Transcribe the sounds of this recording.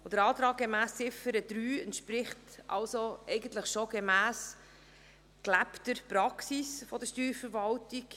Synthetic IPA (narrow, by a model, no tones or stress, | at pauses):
od̥̪əɾɑːt̪ɾɑːɡ̚ɡemæːsɪfəɾəd̥̪ɾyːɛntʃpɾɪχtʔɑ̰lsoʔɛɪɡəntləχʃoɡ̥emæːs | klæptəɾpɾɑksisfɔd̥əʃtyːɾfəɾvɑltik